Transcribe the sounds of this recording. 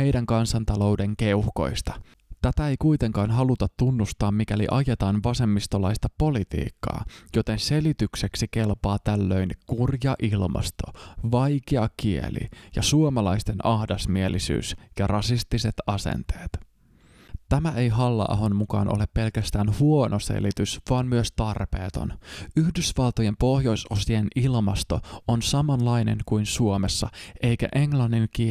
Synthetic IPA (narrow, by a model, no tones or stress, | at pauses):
hejdæŋkɑnsɑnt̪ɑlo̞wde̞ŋke̞uhko̞̰jst̪ɑ | t̪æt̪æe̞jkujt̪e̞ŋkɑːnɦɑlut̪ɑt̪ːunːust̪ɑːmmːik̟ælḭʔɑjet̪ɑːnʋɑse̞mːist̪olɑjst̪ɑpo̞lit̪ḭːkːɑ̰ːjo̞t̪e̞nse̞lit̪ykse̞ksike̞lpɑːt̪ælːø̞jnkurjɑʔilmɑ̰st̪o̞̰ʋɑjkeɑkiḛlʔḭjɑsuomɑlɑjst̪enʔɑhdɑsmielisy̰ːsjɑrɑsist̪ise̞t̪ɑsḛnt̪eːt̪ | t̪æmæʔe̞jɦɑlːɑ̰ːɦo̞nmukɑ̰ːnʔole̞pːelkæst̪æːnhuonosḛlit̪ysʋɑːnmyøst̪ɑrpḛːt̪o̞̰nyhdysʋɑlˠt̪oje̞mpo̞hjo̞jsosienilmɑst̪o̞onsɑmɑnlɑjne̞̰ŋkujnsuome̞sːɑ̰ʔe̞jkæ̰ʔe̞ŋlɑnːiŋk̟i